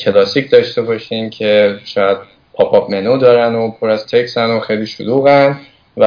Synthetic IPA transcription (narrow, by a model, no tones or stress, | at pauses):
cʰelɒːsicʰd̪ɒːʃt̪e̞bɒʃimcʰeʃɒːjæd̪̥̚ | pʰɒpʰɒbmenod̪ɒːɾænopʰoɾæz̥t̪ʰe̞csænoxejliːʃo̰luːɣæn | væ